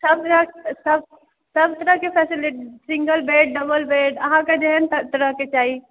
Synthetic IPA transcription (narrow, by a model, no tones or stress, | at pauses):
səb̚t̪ɾəɦsəb | səbt̪əɾəɦkepʰɛsiliʈisiŋɡəlbeɖ̚ɖəbəlbeɖəɦãked͡ʒeɦənt̪ət̪əɾəɦket͡ʃaɦi